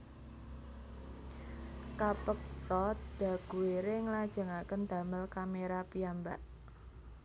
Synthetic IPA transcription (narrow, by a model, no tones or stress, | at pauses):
kapək̚sɔt̪̚d̥ä̤ɡ̥ṳeɾeŋəlad̥ʒ̥ə̤ŋakənd̪̥a̤məlkameɾapiambaʔ